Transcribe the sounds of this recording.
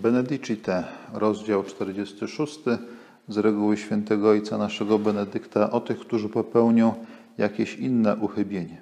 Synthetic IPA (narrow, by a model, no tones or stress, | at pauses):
bɛnɛd̪it͡ʂit̪ɛɾɔzd͡ʑawt͡ʂt̪ɛɾd͡ʑest̪ɘʂust̪ɘ | zɾɛɡuwɘɕfʲjɛnt̪ɛɡɔɔjt̪sanaʂɛɡɔbɛnɛd̪ɘkt̪aʔɔt̪ɘxkt̪uʐɘpɔpɛwɲɔ̃w̃ | jakʲeɕinːɛʔuxɘbʲjeɲɛ